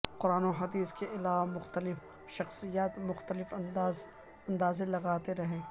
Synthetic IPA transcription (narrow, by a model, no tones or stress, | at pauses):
qʊɾaːnoɦɐd̪iːskeʔɪlaːʋamʊxt̪əlɪf | ʃɐxsijaːt̪mʊxt̪əlɪfːz | ɐ̃nd̪aːzẽlɐɡaːt̪eɾɐɦẽː